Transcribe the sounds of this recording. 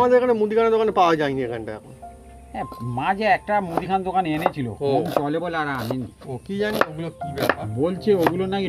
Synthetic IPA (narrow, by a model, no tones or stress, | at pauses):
mad̪eɾekʰanemud̪ikʰanad̪okanepawad͡ʑajniekʰanʈaɛ̰kʰon | ɛmad͡ʑeɛk̚ʈamud̪ʱikʰand̪okanenet͡ɕʰilo̰ont͡ɕɔlebolaɾaaminḭ | okid͡ʑanioɡulokibɛpabolt͡ɕʰeoɡulonaki